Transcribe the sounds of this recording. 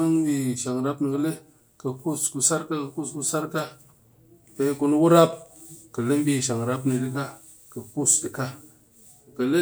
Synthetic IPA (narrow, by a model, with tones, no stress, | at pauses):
ɨ˦ŋɓi˧˨ʃa˨ŋɾa˦pni˧kə˧˦le˦ | kə˧ku˦sku˧sa˦ɾka˦kə˧ku˦sku˧sa˦ɾka˦ | pe˧˦ku˧n˦wu˦ɾa˦p̚kə˨le˦m˦bi˧˨ʃa˨ŋɾa˦pnɨ˧dɨ˦ka˦ | kə˨ku˦˨sdɨ˨ka˦˨ | kə˨le˦